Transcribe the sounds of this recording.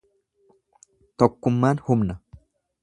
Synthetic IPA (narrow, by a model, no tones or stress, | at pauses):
t̪ɔkːʊmːaːnhʊmnɐ